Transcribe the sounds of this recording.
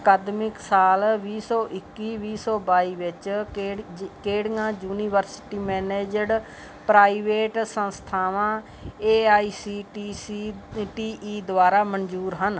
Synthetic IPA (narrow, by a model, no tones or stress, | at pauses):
əkaːd̪mɪksaːlʋiːsɔːʔɪkːiːʋiːsɔːbaːiːʋɪt͡ʃ | keːɽŋãːd͡ʒuːniːʋəɾsɪ̥ʈiːmɛːneːd͡ʒəɖ | pɾaːiːʋeːʈsə̃nst̪ʰaːʋãː | eːaːiːsiːʈiːiʈiːʔiːd̪ʊʋaːɾaːmənd͡ʒuːɾɦən